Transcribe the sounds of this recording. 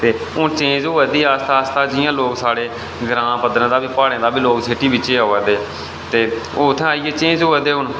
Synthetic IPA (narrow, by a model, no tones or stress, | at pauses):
t̪eː | ʊnt͡ʃẽːd͡ʒɦoːɛːd̪iːaːst̪aːst̪aːd͡ʒɪjãːloːksaːɽeː | ɡɾãːpəd̪ɾãːd̪aːbiːpaːɽẽːd̪aːbiːloːksʰeːʈiːbɪt͡ʃeːoːʋɛːd̪eː | t̪eːoːʊt̪ʰːẽaːiːeːt͡ʃẽːd͡ʒɦoːɛːd̪eːʊn